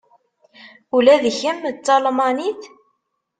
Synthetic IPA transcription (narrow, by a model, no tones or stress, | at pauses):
ulæðçəmt͡sːɑlmɑniθ